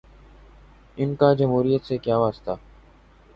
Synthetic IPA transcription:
ɪnkaːd͡ʒəmɦuːɾijət̪seːkjaːʋaːst̪aː

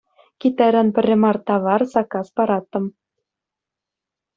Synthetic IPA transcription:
kʲit̪æɾʲænpʲɘ̆rʲːɘ̆mɑrt̪ɑβɑrsɑkɑspɑɾɑt̪ːɤ̆m

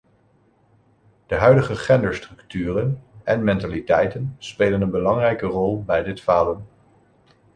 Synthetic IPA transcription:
d̥əɦœɥdəχəχɛndəɹstrɵktyːrənɛnmɛntalitɛjtənspeːlənənbəlɑŋrɛjkərɔlˠbɛjdɪtfaːdən

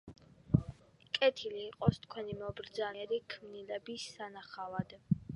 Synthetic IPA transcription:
kʼɛt̪ʰiliːqʼɔst̪ʰkʰwɛnimɔbɾd̪zaɛɾikʰmnilɛbisːanaχavad̪̥

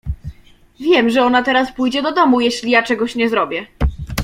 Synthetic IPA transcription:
vʲjɛmʐɛɔnat̪ɛɾaspujd͡ʑɛd̪ɔd̪ɔmujɛɕlʲijat͡ʂɛɡɔɕɲɛzɾɔbʲjɛ

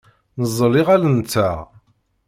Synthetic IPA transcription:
nəzˤːliʁælənt͡sːæ

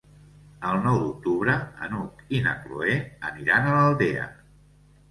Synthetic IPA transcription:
əlˠnɔwd̪uk̚t̪uβɾəə̰nukinə̰klo̰eəniɾanələlˠd̪eə̰

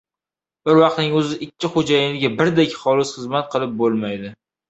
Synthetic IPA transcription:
b̥ɪɾvɑq̚t̪nɪŋɵzɪʔɪkʲʰːɪχod͡ʒajɪnɪɡʲabɪɾd̪ekʲχɒlɪsχɨzmat̪̚qʰɨlˠɪp̚bolˠmajd̪ɪ

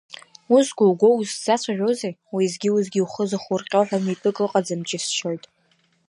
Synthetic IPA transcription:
usɡʷowɡʷo̞wusz̥at͡ɕʷʰaʒʷᶣozejwizɡʲiwuzɡʲiuχəzɨχʊrqʲʼoħʷᶣamipʼɨkʼlɨqʼad͡zɨmd͡ʒʼɪsʃojtʼ

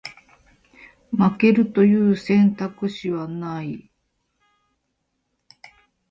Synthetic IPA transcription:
make̞ɾɯ̟t̪o̞jɯ̟ːsẽ̞nt̪akɯ̟ɕiβanai

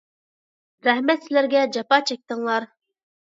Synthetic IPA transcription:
ɾɛhmɛt̪sɪlæɾɡʲɛd͡ʒɑpɑt͡ʃʰɛk̚ʲt̪ɨŋlˠɑɾ

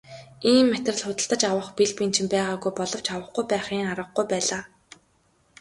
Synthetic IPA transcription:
iːmːæt̪rə̆ɮχʊt̪ə̆ɬt̪ə̆t͡ɕawə̆χpiɮpiːnt͡ɕʰĭmpæːʁaːɣujpɔɮɞ̆w̥t͡ɕawə̆χɡujpæːχiːŋaɾə̆χɡujpæːɮaː

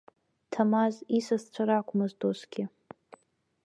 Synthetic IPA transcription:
tʰamazisazt͡ɕʷʰaɾakʷʰʼmazdozɡʲɪ

